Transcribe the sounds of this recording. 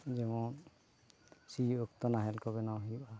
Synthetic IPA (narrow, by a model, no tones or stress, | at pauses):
d͡ʒɛmɔn | siɔkt̪ɔnaɦɛlkɔbɛnawɦiba